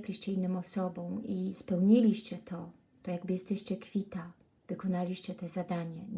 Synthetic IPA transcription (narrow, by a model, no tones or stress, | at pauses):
klʲiɕt͡ɕɛinːɨmɔsɔbɔ̃w̃ispɛwɲilʲiɕt͡ɕɛt̪ʰɔ | t̪ɔjaɡbɘjɛst̪ɛɕt͡ɕɛkfʲit̪a | vɘkɔnalʲiɕt͡ɕɛt̪ɛzad̪aɲɛ